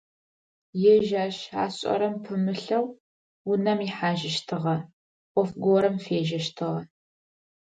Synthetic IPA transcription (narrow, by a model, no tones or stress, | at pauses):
jɛʒaːʃa̰ːɕʼɐ̰ɾɐmpʰɨmɨɬɐw | ʊnɐmiħaːʒɪʃtʰɨʁɐ | ʔʷʼɔfɡʷoɾɐmfeːʒɐʃtʰɨʁɐ